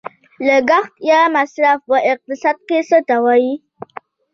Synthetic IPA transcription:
ləɡaxt̪jɑmasɾafwəʔɪq̚t̪ɪsɑd̪̚kesət̪awaji

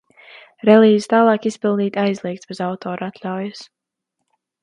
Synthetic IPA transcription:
ɾɛliːzist̪aːlˠɑːkispilˠniːt̪ʲajzlˠiɛk̚t̪sb̥ɛzawt̪oːɾat̪lʲawjɐs

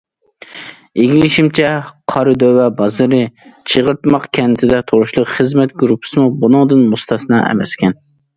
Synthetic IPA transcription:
eɡʲilɪʃimt͡ʃʰɛqʰɑɾɨd̪øwɛbɑzɨɾɨt͡ʃʰəʁəɾt̪mɑqkʲʰɛnt̪ʰɪd̪ɛt̪ʰoɾuʃlˠʊχəzmɛt̪̚ɡɾupʰːɨ̥sɨmubunɨŋd̪ɨnmust̪ʰɑsnɑʔɛ̰mɛ̰skʲɛn

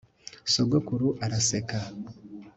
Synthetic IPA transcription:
soɡokuɾuʔaɾaseka

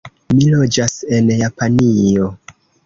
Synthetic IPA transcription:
milo̞d͡ʒase̞njapanio̞

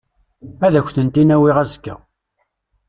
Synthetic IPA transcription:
æðæçʷθənt̪inæwiʁæzkːæ̰

